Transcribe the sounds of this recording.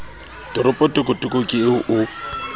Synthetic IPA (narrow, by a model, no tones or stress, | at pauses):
tʼɪɾʊpʼɔtʼɪkʼʊtʼɪkʼʊkʼɪʔʊ